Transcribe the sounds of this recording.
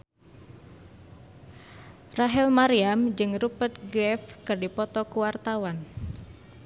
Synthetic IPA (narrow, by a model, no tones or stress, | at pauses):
raɦɛlmaɾiamd͡ʒɨŋrupət̪̚ɡɾɛfkɨrdipɔt̪ɔkuwart̪awan